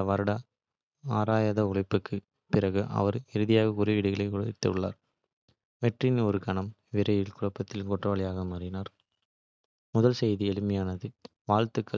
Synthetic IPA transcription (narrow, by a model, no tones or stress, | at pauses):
ʋɐɾɐɽɐ | aːɾaːjɐðɐʊɭɐɪpːɯkʰːɯ | pɪrɐɣɯʔɐ̰ʋɐɾɪɾɯðɪjaːɣɐkʊɾɐʋɪɽɪɣɐɭɐɪkuːɽɐɪʈ̪ːɐ̰ʋɯɭːa̰ːɾ | ʋɛʈrɪnɔɾɯkɐɳɐm | ʋɪɾɐjɪlkʊɻɐpːɐt̪ːɪlkɔʈrɐʋɐɭɪjaːɣɐmɐɾɪnaːɾ | mʊðɐlsɛjðiɛlɯmɐjaːnɐðɯ | ʋaːɻt̪ɯkːɐ